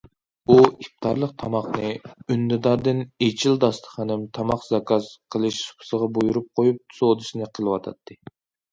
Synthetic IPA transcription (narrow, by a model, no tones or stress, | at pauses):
uif̚t̪ʰɑ̰ɾlˠəqt̪ʰɑmɑχnɨynːɨd̪ɑɾd̪ɨnet͡ʃʰild̪ɑst̪ʰə̥χɑnɪmt̪ʰɑmɑqzɑkʰɑzqʰəlˠɨʃsu̥pʰʊ̥səʁɑbojuɾup̚qʰojup̚sod̪ɨʃnɨqʰəlˠɨwɑt̪ʰɑ̰t̪ʰːɨ